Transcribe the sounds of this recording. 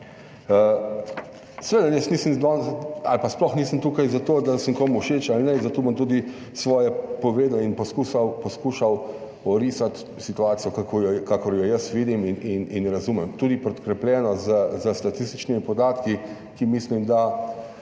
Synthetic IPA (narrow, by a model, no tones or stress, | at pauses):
ə | sɛʋeːd̪anjɛsnisəmd̪ɔna̰lpasplɔxnisəmt̪uːkajzat̪oːd̪asəŋkoːmuwʃeːt͡ʃalnɛzat̪oːbɔmt̪uːd̪i | sʋɔːjɛpɔʋeːd̪inpɔskusawpɔskuːʃaw | ɔɾisat̪ | sit̪uaːt̪sijɔkakojkakɔɾjɔjəsʋiːd̪iminʔininɾazuːmɛmt̪uːd̪ipɾɛt̪kɾɛplʲjɛːnɔzəzəst̪at̪ist̪i̥t͡ʃnimipɔd̪aːt̪ki | kimiːslimd̪a